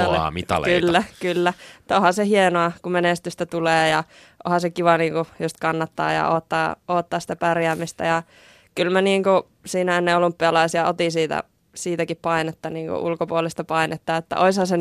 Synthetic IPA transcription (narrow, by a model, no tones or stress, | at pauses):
l̰mit̪ɑ̰lekylːækylːæt̪ːohɑsehienoɑkumenest̪yst̪æt̪uleːjɑ | ʔo̰hɑsekiʋɑniːŋkujust̪kɑnːɑt̪ːɑ̰ːjɑ̰oːt̪ːɑːoːt̪ːɑːsi̥t̪æpærjæːmːist̪æ̰jɑ | kylmæniːŋku | siːnæenːeolumpːiɑlɑisiɑot̪isiːt̪æ̰ | siːt̪ækippɑinet̪ːɑniːŋkṵʔṵlkopuolist̪ɑpɑinet̪ːɑːet̪ːæ̰ʔoishɑse